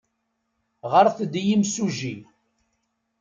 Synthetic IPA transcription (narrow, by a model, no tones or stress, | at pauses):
ʁəɾθəd̪jimsuʒin